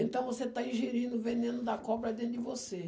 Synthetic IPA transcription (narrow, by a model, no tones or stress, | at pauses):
ẽnt̪ɐ̃w̃voset̪aĩʒeɾĩnd̪ʊvenẽnʊd̪ɐkɔbɾɐd̪ẽnt̪ʊd͡ʒɪvose